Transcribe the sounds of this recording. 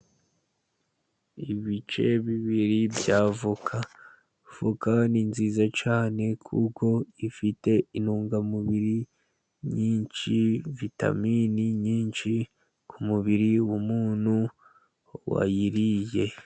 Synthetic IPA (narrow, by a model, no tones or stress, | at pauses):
iβit͡ʃe̞βiβiɾibjaːvukʰa | v̥ukaninziːzat͡ʃaːne̞kʰuko̞ifite̞inuːŋɡamuβiɾi | ɲiːnt͡ʃivita̰miniɲiːnʃi | kʰumuβiɾiwumuːn̥hu | wa̰jiɾije̞